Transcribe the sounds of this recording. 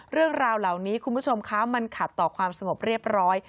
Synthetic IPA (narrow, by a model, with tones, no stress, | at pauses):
ɾɯ˥˩əŋɾaː˧wla˨˩wniː˦˥kʰu˧nbu˦˥˩t͡ɕʰo˧mkʰa˦˥ma˧nkʰa˨˩t̪ːɔː˨˩kʰwaː˧msa˧ŋo˨˩p̚ɾi˥˩əp̚ɾɔː˦˥j